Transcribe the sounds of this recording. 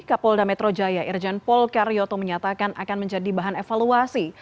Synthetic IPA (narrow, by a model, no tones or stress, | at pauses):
kapɔldamɛt̪ɾod͡ʒajaʔird͡ʒɛnpɔlkaɾiɔt̪oməɲat̪akanʔakanməɲd͡ʒadibaɦanefaluasi